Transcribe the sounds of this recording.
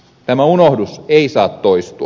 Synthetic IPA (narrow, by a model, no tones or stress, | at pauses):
t̪æmæunohduseisɑːt̪toist̪uɑ